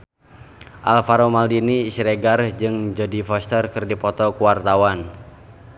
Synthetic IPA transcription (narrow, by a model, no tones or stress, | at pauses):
ʔalfaɾomaldiniːsɾeɡard͡ʒɨŋd͡ʒɔdifɔst̪ərkɨrdipɔt̪ɔkuwart̪awan